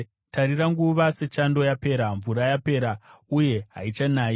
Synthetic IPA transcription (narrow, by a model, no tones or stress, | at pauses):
taɾiɾaŋɡuʋase̞t͡ʃando̞jape̞ːɾaɱvuɾajape̞ːɾauje̞ɦa̰it͡ʃanaːji